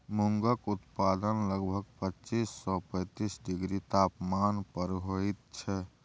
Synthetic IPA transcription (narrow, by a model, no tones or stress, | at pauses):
muŋɡəkut̪pad̪ənləɡbʱəɡpət͡ʃisːɔpə̃ɪt̪isɖiɡɾit̪apmanpəɾɦojt̪̚t͡ʃʰɛ